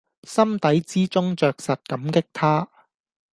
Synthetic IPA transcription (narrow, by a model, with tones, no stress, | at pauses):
sɐ˥mt̪ɐ˨˥jt͡siː˥t͡sʊ˥ŋt͡ʃœː˨k̚sɐ˨t̚kɐ˨˥mkɪ˥k̚t̪ʰaː˥